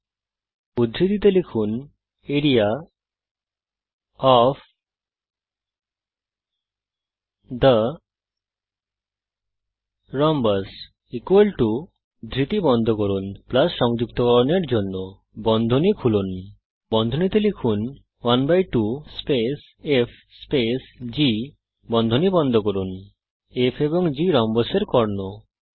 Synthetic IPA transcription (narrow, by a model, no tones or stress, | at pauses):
ud̪ʱɾit̪it̪elikʰun | eɾija | ɔp | d̪ə | ɾɔmbas | ikwelʈu | d̪ʱɾit̪ibɔnd̪ʱɔkɔɾunplasʃɔŋd͡ʒukt̪ɔkɔɾoneɾd͡ʒonːo | bɔnd̪ʱonikʰulun | bɔnd̪ʱonit̪ilikʰun | wanbajʈuspes | epʰ | spesd͡ʒi | bɔnd̪ʱonibɔnd̪ʱokoɾun | epʰebɔŋd͡ʒiɾɔmbaseɾkɔɾno